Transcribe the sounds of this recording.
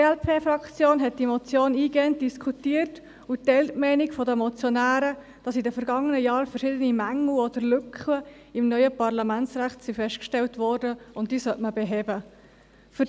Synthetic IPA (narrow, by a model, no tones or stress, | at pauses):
ɛlpʰeːfɾɑkt͡sjoːnɦɛt̚d̥imɔt͡sjoːniːɡɛənt̚d̥iskʰutiːərt | utɛltmɛɪnɪkfɔdəmɔt͡sjɔnæːɾə | d̥ɑsidəfəɾɡɑŋːənəjɑːɾfəɾʃɪdənimæŋl̩ɔd̪əɾlʏkχə | ɪmnœʏəpɑrlɑmænt͡sɾæχtsifɛsʃtkʃtɛltʋɔɾdəʊntd̥iːsœtməbɛɦɛːbə | fʏ